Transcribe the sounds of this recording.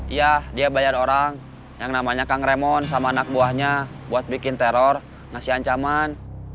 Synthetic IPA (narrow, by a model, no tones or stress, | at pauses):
ijahdiabajaɾoɾaŋ | jaŋnamaɲakaŋɾɛmɔns̬amaːnak̚buahɲa | buat̪̚bikɪnt̪ɛɾɔr | ŋasiɦaɲt͡ʃaman